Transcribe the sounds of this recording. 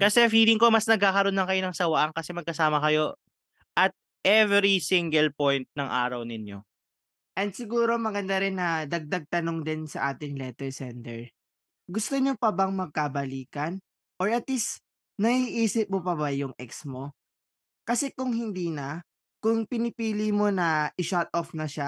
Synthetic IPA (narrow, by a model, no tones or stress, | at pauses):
kɐsɛfiːlɪŋko̞mɐsnɐɡ̚kaːkɐɾonːɐŋkɐjo̞nɐŋsɐwɐʔaŋkɐsɛmɐɡ̚kɐsaːmɐkɐjo̞ | ʔɐt̪̚ | ʔɛvɾisiŋɡɛlpojnt̪̚nɐŋʔa̰ːɾɐwnɪnjo̞̰ | ʔɛnd̪sɪɡuːɾo̞mɐɡɐnd̪aɾɪnːɐd̪ɐɡ̚d̪aɡ̚t̪ɐno̞ŋd̪ɪnsɐʔaːt̪ɪŋlɛːt̪ɛɹsɛnt̪ɛɹ | ɡʊst̪oɲopɐbɐŋmɐɡ̚kabɐliːkɐn | ʔoɹɐt̪list̪ | nɐʔiːʔiːsɪp̚mopɐβajʊŋʔɛksmo̞ | kɐsɛkʊŋɦɪnd̪iːnɐ | kʊŋpɪnɪpiːlimo̞nɐʔɪʃat̪̚ʔofnɐʃa